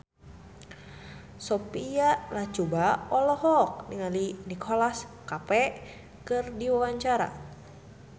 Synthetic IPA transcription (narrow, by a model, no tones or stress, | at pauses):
sopialaht͡ʃubaɔlɔhɔk̚niŋalinikʰolaskapɛ | kɨrdiwawaɲt͡ʃaɾa̰